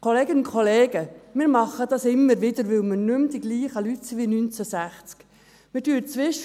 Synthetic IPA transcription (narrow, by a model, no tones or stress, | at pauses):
kʰoleːɡənʊnkʰoleːɡəmɪːɾmɑχːəd̪ɑsɪmːəɾʋɪd̪əɾʋɪwmɪɾnʉmd̪iɡ̥liːχəlyt̪siʋinynt͡sæsæχt͡sk | mɪdyːt͡sʋɪʃ